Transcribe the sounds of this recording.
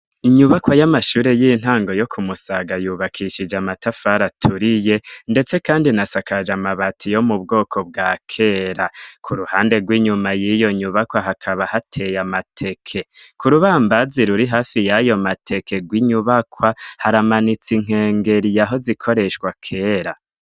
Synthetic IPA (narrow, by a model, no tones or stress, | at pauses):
iɲuβakwajamaʃuːɾe̞jiːn̥haːŋɡo̞jo̞kʰumusaɡajuːβakʰiʃid͡ʒamatafaɾatʰuɾijende̞t͡se̞kaːndinasakad͡ʒamaβatʰijo̞mub̚ɡo̞ːkʰo̞b̚ɡaːkʰe̞ːɾakʰuɾuhaːnde̞ɡwiːɲumajijo̞ɲuβakwaɦakʰaβahatʰe̞jamatʰe̞kʰe̞kuɾuβaːmbaziɾuɾiɦaːfijajo̞matʰe̞kʰe̞ɡwiɲuβakʰwahaɾamanit͡siŋ̥e̞ːŋɡe̞ɾijaɦo̞zikʰo̞ɾe̞ʃɡwakʰe̞ːɾa